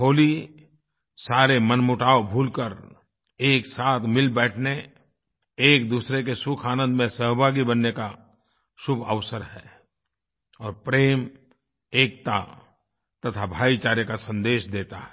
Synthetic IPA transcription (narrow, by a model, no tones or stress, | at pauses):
ɦoːli | saːɾemənmʊʈaːobʱuːlkəɾ | eːksaːt̪ʰmɪlbɛːʈʰne | eːk̚d̪uːsɾek̬esʊkʰaːnə̃nd̪mẽsəɦbʱaːɡibənːeka | ʃʊbʱəʋsəɾɦɛː | ɔːɾpɾeːm | eːk̚t̪a̰ | t̪ɐt̪ʰabʱaːit͡ʃaːɾjekasə̃nd̪eːʃd̪eːt̪aɦɛ